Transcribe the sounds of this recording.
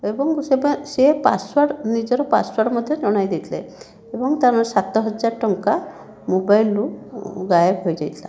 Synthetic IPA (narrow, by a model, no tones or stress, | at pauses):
ebɔŋsesepa̰swaɽnid͡ʒɔɾɔpa̰swaɖmɔd̪ʱjɔd͡ʒɔɽ̃ajd̪it̪ʰlḛ | ebɔŋt̪aɾɔsat̪ɔɦɔd͡ʒaɾʈɔŋka | mobajluɡajebɦojd͡ʒa̰jt̪ʰla̰